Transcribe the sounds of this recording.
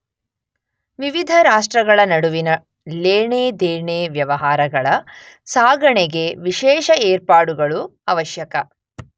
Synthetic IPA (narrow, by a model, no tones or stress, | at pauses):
ʋiʋid̪ʱɐɾaːʂʈɾɐɡɐɭɐnɐɽuʋinɐ | leːɳeːd̪eːɳeːʋjɐʋɐɦaːɾɐɡɐɭɐ | saːɡɐɳeɡe̞ʋiʃɛːʃɐeːɾpaːɽuɡɐɭuɐʋɐʃjɐkɐ